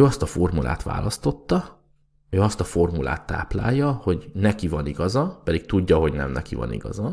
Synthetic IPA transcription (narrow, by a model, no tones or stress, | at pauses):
øːɒst̪ɒfo̞rmula̰ːt̪ʋa̰ːlɒst̪o̞t̪ːɒ | øːɒst̪ɒfo̞rmula̰ːt̪ːa̰ːpla̰ːjːɒho̞ɟnɛkivɒniɡɒzɒpɛd̪ik̚t̪uɟːɒɦo̞ɟnɛ̰mnɛkivɒ̰nḭɡɒ̰zɒ